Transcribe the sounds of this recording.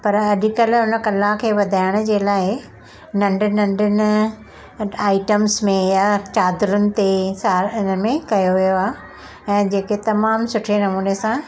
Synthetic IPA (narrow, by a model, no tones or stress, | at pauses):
pɐɾɐɗɪkɐlʊnə̆kɐlːakʰeːʋɐd̪ʱaːɪɽ̃ʊ̆d͡ʑeːlaːɪ | nɐ̃ɳɖɪnɐ̃ɳɖɪnɪ̆ | aːɪʈəmsmẽjaːt͡ɕaːd̪ɾʊnɪ̆t̪esaːɾnəmẽkɐjoʋijoaː | ɛ̃ːd͡ʑeːket̪ɐmaːmsʊʈʰenɐmuːnesã